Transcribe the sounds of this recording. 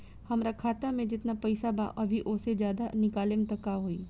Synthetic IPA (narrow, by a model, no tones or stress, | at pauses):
hɐmɾakʰaːt̪amẽd͡ʒɪt̪napɐɪsaba̰ʔɐbʱiʔoːsed͡ʒjaːd̪anɪkaːlɪmt̪ɐkaɦoḭː